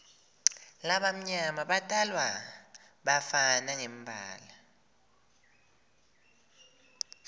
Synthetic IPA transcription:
laɓam̩ɲamaɓatʼalwa | ɓafanaŋem̩bʱa̰ːla

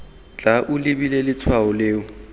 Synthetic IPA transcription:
t͡ɬaʔʊlɪbilelɪt͡sʰwaʊleːʊ

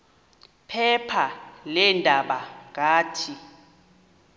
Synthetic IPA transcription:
pʰɛpʰalɛndʱaɓak̬ʼaːtʰi

